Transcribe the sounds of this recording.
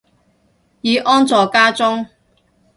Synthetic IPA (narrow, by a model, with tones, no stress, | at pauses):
jiː˨˧ʔɔː˥nt͡sɔː˨˧kaː˥t͡sʊ˥ŋ